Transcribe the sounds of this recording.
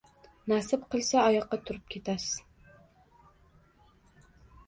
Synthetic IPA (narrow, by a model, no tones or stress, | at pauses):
næsɪpqʰɨlˠsaɒjɑqːɑt̪ʰʊɾɨp̚kʲʰet̪ʰasɪz̥